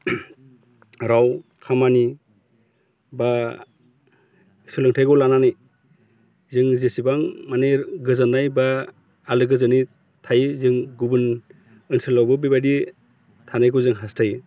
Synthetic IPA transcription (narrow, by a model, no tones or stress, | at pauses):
ɾawkʰamani | ba | sɯlɯŋtʰajɡɔlananɯj | zɯŋzesibaŋmaneɡɯzanːajbaː | lɯɡɯzɯni | tʰajzɯŋɡubɯn | ɯnsɯlawbɯbibadi | tʰanajɡɔzɯŋɦastʰaj